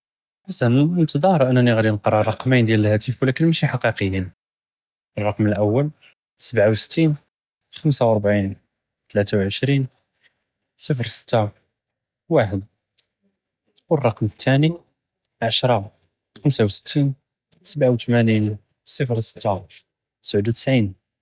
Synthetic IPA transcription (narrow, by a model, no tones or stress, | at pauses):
asænənnt̪d̪ˤɑhɾˤʔənːænːiɣɾinəqɾˤɑrˤːɑqmijnd̪jæləlhæt̪ifwlækənmæʃiħɑqiqəjːin | ərˤːɑqməlʔəwːəl | səbʕawsə̥t̪ːin | xəmsawəɾˤbʕin | t̪læt̪awʕəʃɾin | sˤəfɾsə̥t̪ːa | waħəd̪̚ | wərˤːɑqmət̪ʰːæni | ʕaʃɾˤɑ | xəmsawsə̥t̪ːin | səbʕawt̪mænin | sˤəfɾsə̥t̪ːa | t̪sʕəd̪ut̪ə̥sʕin